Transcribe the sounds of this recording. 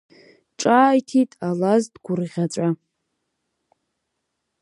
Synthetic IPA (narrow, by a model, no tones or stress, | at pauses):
ʈ͡ʂʼaːjtʰitʼalazdɡʷʊrʁʲat͡sʷʼa